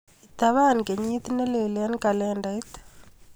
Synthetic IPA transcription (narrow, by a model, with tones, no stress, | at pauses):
it̪aβa˦˨nke˨ɲi˦t̪ine˦le˨la˦nka˨lɛndait̪